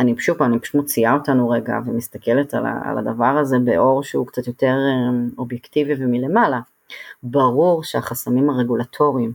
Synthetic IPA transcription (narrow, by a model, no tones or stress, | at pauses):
anipʃuponipʃumo̞t͡siao̞tanuʁe̞ɡa̰vemist̪ake̞le̞tala̰a̰la̰d̪avaʁaze̞beʔo̞ʁʃeukt͡sat̪jo̞te̞ʁeo̞bjektivivemile̞mala | baʁuʁʃeaχasamimhaʁe̞ɡulatʰo̞ʁiim